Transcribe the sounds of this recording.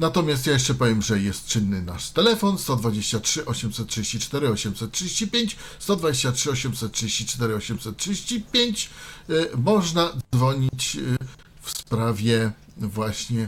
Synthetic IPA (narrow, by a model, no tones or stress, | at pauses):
nat̪ɔmʲjast̪jajɛʂt͡ʂɛpɔvʲjɛmʐɛjɛst̪̚ːɘnːɘna̰ʂt̪ɛlɛfɔnst̪ɔd̪vad͡ʑeɕt͡ɕatʂɘʔɔɕɛmsɛt̪̚tʂɨd͡ʑeɕt͡ɕit͡ʂt̪ɛɾɘɔɕɛmsɛt̪̚tʂɨd͡ʑeɕt͡ɕipʲjeɲt͡ɕst̪ɔd̪vad͡ʑeɕt͡ɕatʂɘɔɕɛmsɛt̪tʂɨd͡ʑeɕt͡ɕit͡ʂt̪ɛɾɘɔɕɛmsɛt̪tʂɨd͡ʑeɕt͡ɕipʲjeɲt͡ɕ | mɔʐnad̪zvɔɲit͡ɕ | fspɾavʲjɛ | vwaɕɲɛ